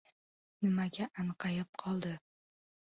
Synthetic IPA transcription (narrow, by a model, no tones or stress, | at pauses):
nɪmaɡʲaʔaɴqʰɑjɪp̚qʰɒlˠd̪ɪ